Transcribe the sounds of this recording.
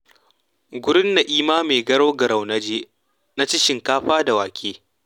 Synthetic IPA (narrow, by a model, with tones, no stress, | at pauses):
ɡʷʊ˦ɾɪ˦nːa˨ʔiː˦maː˦meː˨ɡɐ˦ɽoː˦ɡɐ˨ɾa˨wnɐ˦d͡ʒeː˦ | na˦t͡ʃɪ˦ʃɪ˨ŋkaː˦ɸaː˦da˨waː˨kʲʰeː˦